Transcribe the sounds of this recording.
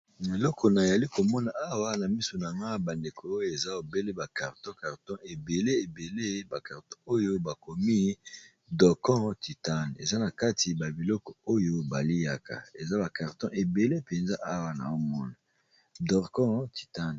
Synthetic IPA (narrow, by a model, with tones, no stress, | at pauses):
ne˨lɔ˦kʰɔ˨na˨e˨ja˨li˦ko˨mɔ˦na˨a˦wa˦na˨mi˦so˨na˨ŋɡa˦ba˨nde˨kʰoː˨˦jo˦e˨za˦o˨be˦le˦ba˨ka˨ʁtɔ̃˦ka˨ʁtɔ̃˦ʔe˨be˨le˦e˨be˨le˦ba˨ka˨ʁtɔ˦o˦jo˦ba˨ko˨mi˦ | dɔ˨kɔ̃˦ti˨ta˦n˨ḛ˨za˦na˨ka˦ti˨ba˨bi˨lɔ˦kɔ˨o˦jo˦ba˨li˦ja˨ka̰˨e˨za˦ba˨ka˨ʁtɔ̃˦ʔe˨be˨le˦pe˨nza˦ʔa˦wa˨na̰˨o˦mɔ˦na˨ | dɔ˨ʁkɔ̃˦ti̥˨ta˦n˨